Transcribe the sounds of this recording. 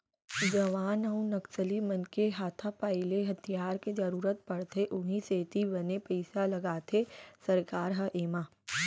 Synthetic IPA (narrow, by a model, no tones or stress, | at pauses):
d͡ʒɐʋaːnɐũnɐksəlimɐnkeɦaːt̪ʰapaːɪleɦɐt̪ʰijaːɾked͡ʒɐɾuːɾət̪̚pɐɽt̪ʰeʔʊɦĩseːt̪ibɐnepɛɪsalɐɡaːt̪ʰesɐɾkaːɾɦɐʔeːmaː